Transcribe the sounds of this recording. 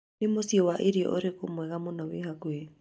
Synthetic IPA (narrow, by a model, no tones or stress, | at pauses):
emosiɔwaʔeɾiɔ̰ʔoɾekomwɛɣamonɔweɦakwe